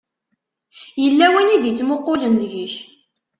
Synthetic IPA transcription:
jəlːæwiniðit͡sːmʊqːʊlənðʝəç

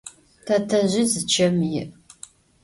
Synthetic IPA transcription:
tʰatʰɐʑɪzɨt͡ʃʰɐmjɪʔ

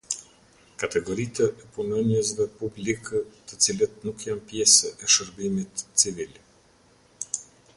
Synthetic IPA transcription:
kat̪ɛɡɔɾit̪ɛʔɛpunɔnjəsvɛpublikət̪ət͡silət̪̚nukjanpjɛsɛʔɛʃəɾbimit̪t͡sivil

